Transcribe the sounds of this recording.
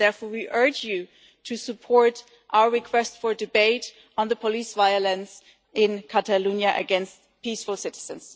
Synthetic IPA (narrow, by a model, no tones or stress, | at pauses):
ðɛɹfɔɹwiʔɜ˞d͡ʒjʉ | tʰɨsɨpʰɔɹt | ʔaʊə˞ɹɨkʰw̥ɛstfə˞dɨbeɪɾ̃ | n̩ðəpʰɔlisvaɪəlɨ̃ns | ɪ̃nkʰætəlũnjaʔɨ̰ɡɛ̃nst̚ | pisfʊl̩ˠsɪɾɨz̥ɨ̃ns